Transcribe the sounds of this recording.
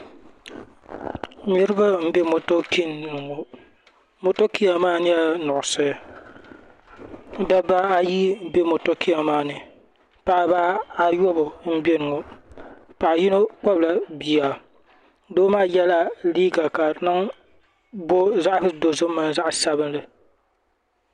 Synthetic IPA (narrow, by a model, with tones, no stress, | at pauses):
ɲi˦ɾɨ˦ba˦m̩˦be˦mo˨to˦ki˦nnɨ˨ŋo˨ | mo˨to˦ki˦ja˨maː˦nɪ˦a˦nʊ˨ʔʊ˨sɨ˦˨ | da˦ba˦a˦ji˦˨˦be˦mo˨to˦kʰi˦a˨maː˦nɨ˨ | pa˨ʔa˨baː˦a˨jo˦bo˨m̩˦be˦nɨ˨ŋo˨ | pa˨ʔa˨ji˦no˦k͡pɔ˦bla˨bi˨a˨ | doː˦maː˦jɛ˦la˦liː˦ɡa˨ka˨nɨ˦ŋ | bo˦za˦ʔdo˨zɨ˦mːa˦n˦za˦ʔsa˦bɨ˦nlɨ˨